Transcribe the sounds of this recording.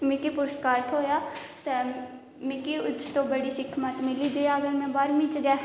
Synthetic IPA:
mɪ̃kipʊɾəskaːɾt̪ʰɦoːjaːt̪e | mɪ̃kiʊt͡ʃʰt̪obəɽiːsɪkʰmət̪mɪliːd͡ʒəaəɡəɾmɛ̃ːbaːɾmĩːt͡ʃɡaː

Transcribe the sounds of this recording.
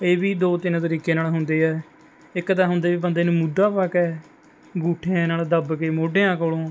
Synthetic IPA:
eːbiːd̪oːt̪ɪnt̪əɾiːkeːnaːlɦʊnd̪eːɛː | ɪkːt̪ãːɦʊnd̪eːbiːbənd̪eːnũːmʊd̪aːpakɛː | ɡuːʈʰenaːld̪əbkeːmoːɖeːãːkoːloː

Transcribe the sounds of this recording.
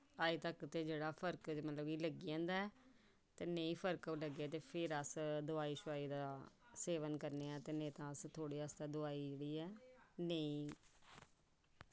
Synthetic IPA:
aːit̪əkt̪eːd͡ʒeːɽaːpʰəɾkmət̪ləbiːləɡiãːnd̪aːɛː | t̪eːnəĩːpʰəɾkləɡɛːt̪eːpʰɪɾəsd̪ʊaːiːʃʊaːiːd̪aː | seːʋənkəɾneːɛːt̪eːnĩːt̪ãːəst̪ʰoːɽiːast̪aːd̪ʊaːiːd͡ʒeːɽiːɛːnəĩː

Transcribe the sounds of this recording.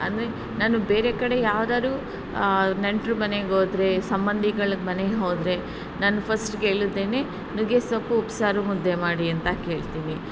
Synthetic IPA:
ɐnd̪ɾe | naːnubeːɾekɐɽe̞jaːʋd̪aːɾuː | neɳʈɾumɐneɡoːd̪ɾe̞sɐmbɐnd̪ʱiɡɐɭɐmɐneɦo̞ːd̪ɾe̞ | naːnupʰɐsʈkeːɭud̪ːe̞ːne̞ | nuɡesɐpːuːpsaːɾumud̪ːemaːɽiɐnt̪ɐke̞ːɭt̪iːni

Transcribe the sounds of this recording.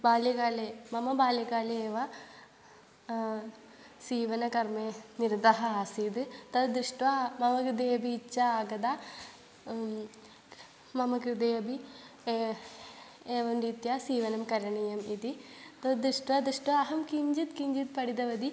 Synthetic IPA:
baːljɐkaːlemɐmɐbaːljɐkaːleeːʋɐ | siːʋɐnɐkɐrmeːniɾd̪ɐɦɐaːsiːd̪ɨt̪ɐd̪d̪ɾɨʂʈʋɐmɐmɐkɾɨd̪eːɐbiːt͡ʃːɐaːɡɐd̪a | mɐmɐkɾɨd̪eːjɐbi | eːʋɐmdiːt̪jasiːʋɐnɐmkɐɾɐɳijɐmit̪it̪ɐd̪ɨʂʈʋɐd̪ɾuʂʈʋɐːɦɐmkiɲd͡ʒit̪kiɲd͡ʒit̪̚pɐɽid̪ɐʋɐd̪i

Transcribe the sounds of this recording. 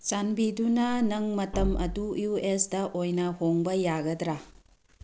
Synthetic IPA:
t͡ʃanbidunɐnɐŋmɐtɐmʔɐdujuesdɐʔojnɐhoŋbɐjaɡɐdɾa

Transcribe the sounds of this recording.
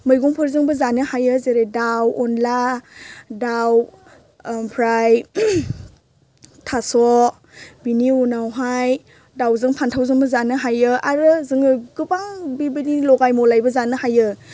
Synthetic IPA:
mɯjɡɔŋpʰɯɾzɯŋbɯzanɯhajɯzeɾedawɔnla | daw | pʰɾaj | tʰasɔ | biniunawɦaj | dawzɯŋpʰantʰawzɯŋbɐzanɯɦajɯʔaɾɯzɯŋɯɡɯbaŋbibɯnilɔɡajmɔlajbɐzanɯhajɯ

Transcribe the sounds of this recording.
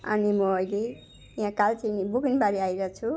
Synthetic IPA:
ʌ̰nimʌʌjle | jãkalt͡sinibuɡinbaɾiajɾʌt͡sʰu

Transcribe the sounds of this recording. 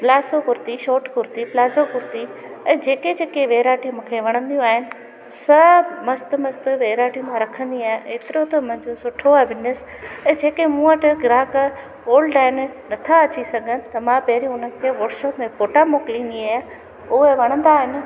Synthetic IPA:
ɡlaːsokʊɾt̪iʃoːʈkʊɾt̪iplaːzokʊɾt̪i | ɛ̃ːd͡ʑeːked͡ʑeːkeʋeːɾaːʈijmũːkʰeʋɐɽ̃ə̃nd̪ijũaːɦɪnɪ̆ | sɐmɐst̪mɐst̪ʋeːɾaːʈijũmãɾɐkʰə̃nd̪iaːɦẽeːt̪ɪɾot̪ɐʊmʊ̃ɦɪ̃ɲd͡ʑosʊʈʰoʋɪnes | ɛ̃ːd͡ʑeːkemũːəʈɪɡɪɾaːk | oːlɖaːɪn̆nɐt̪ʰaɐt͡ɕisɐɡʱənɪ̆t̪ɐmãpɐɦɪɾiʊnəkʰeʋɔːɾʃoːpmẽfoːʈamoːklĩniaː | ʊɦeʋɐɽ̃ə̃nd̪aːɦɪnɪ̆

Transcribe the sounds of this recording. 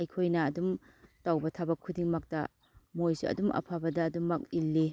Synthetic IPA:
ɐjkʰojnɐːdum | tawbɐtʰɐbɐkʰːudiŋmɐk̚tɐ̰ | mojsiɐ̰dumɐ̰pʰabɐdɐːdumɐk̚ilːi

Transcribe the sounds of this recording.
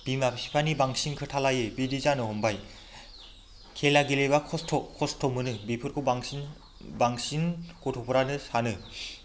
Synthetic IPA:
b̥imapʰisi̥pʰanibaŋsinkʰɯtʰalajebidizanɯɦɔmbaj | kʰelaɡilejbakʰɔstʰɔkʰɔstʰɔmɯnɯbipʰɯɾkʰubaŋ | baŋsinkotʰɔpʰɔɾanɯsanɯ

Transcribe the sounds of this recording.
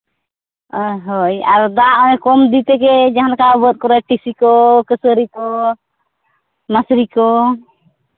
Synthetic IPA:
əɦɔjaɾd̪aʔɔɛkɔmd̪it̪ɛkɛd͡ʒaɦankabət̪̚kɔɾɛʈisikɔkəsəɾikɔ | masɾikɔ

